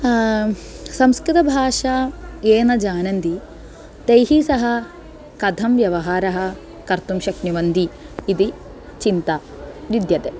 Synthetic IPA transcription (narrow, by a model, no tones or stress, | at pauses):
sɐmskɾit̪ɐbʱaːʂaeːnɐd͡ʒaːnɐnd̪i | t̪ejɦisɐɦɐ̆ | kɐd̪ʱɐmʋjɐʋɐɦaːɾɐɦɐ̆ | kɐɾt̪umʃɐknjuʋɐnd̪iːd̪i | t͡ʃint̪ɐ | ʋid̪jɐt̪eː